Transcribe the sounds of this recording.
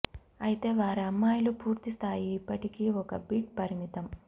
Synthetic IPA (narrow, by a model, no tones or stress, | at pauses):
ɐjit̪e̞ːʋaːɾiɐmːaːjlupuːɾt̪ist̪ʰaːjiːpːɐʈikiːɔkɐbiʈpɐɾimit̪ɐm